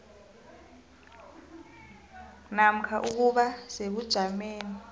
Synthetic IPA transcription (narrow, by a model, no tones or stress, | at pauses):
nam̩kʰaʔuk̬uɓaseɓud̥ʒ̥ʱameːni